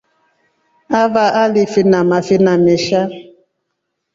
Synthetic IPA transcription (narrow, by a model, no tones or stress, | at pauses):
avaʔalifinamafinameʃa